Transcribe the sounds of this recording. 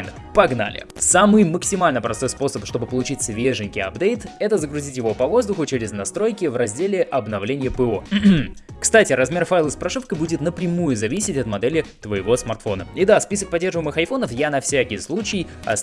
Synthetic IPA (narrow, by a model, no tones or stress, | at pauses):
n | pɐɡna̰lʲɪ̰ | samɨjməksʲɪmalʲnəpɾɐst̪o̞jspo̞səpʂt̪o̞bɨpəlˠʊt͡ɕitʲsʲvʲeʐɨnʲkʲɪjɐ̰bd̪ejt̪ɛt̪əzəɡɾʊzʲitʲjɪvo̞pɐvo̞zd̪ʊxʊt͡ɕeɾʲɪznɐst̪ɾo̞jkʲɪvrɐzʲdʲelʲɪʔɐbnɐvlʲenʲɪjəpɨo̞ | kst̪atʲɪɾɐzmʲe̞rfajlˠɨspɾɐʂɨfkəbudʲɪt̪nəpɾʲɪmujʊzɐvʲisʲɪtʲɐt̪mɐd̪ɛlʲɪt̪vəjɪvo̞smɐrt̪fo̞nəid̪aspʲisək̚pɐdʲːe̞rʐəvɨɪmɨxɐjfo̞nəfjanɐfsʲækʲɪjslˠut͡ɕɪjɐ̰